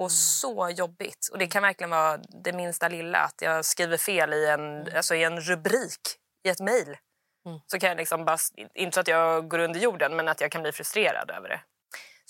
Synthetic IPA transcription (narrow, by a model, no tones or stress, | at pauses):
ɔsɔjɔbːɪ̰t̪ɔd̪ɛkʰanvæɾklɪɡənvɑːd̪ɛmɪnst̪alɪlːa̰a̰t̪jɑ̰ːɡskɾiːvəɾfeːlɪɛnalsɔɪɛnɾɵbɾiːk | ɪɛt̪mɛjl | sɔkʰanjalɪksɔmbɑːɾɪ̰nt̪əat̪jɑːɡɡoːɾɵnd̪əɾjuːɖənmɛnat̪jɑːɡkʰanbliːfɾɵst̪ɾeːɾa̰d̪ø̰ːvə̰ɖɛ̰